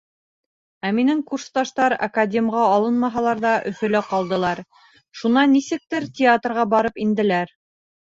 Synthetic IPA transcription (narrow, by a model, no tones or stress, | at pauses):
æminɘŋkurst̪ɑʃt̪ɑɾɐ̰kadʲemʁɑːlˠɤnmɑɦɑlˠɑɾðɑʔɵ̆fɵ̆læqɑlˠd̪ɤ̆lˠɑɾ | ʃunɑnːisɘ̆k̚t̪ɘɾtʲɪat̪rʁɑbɑɾɤpind̪ɘ̆læɾ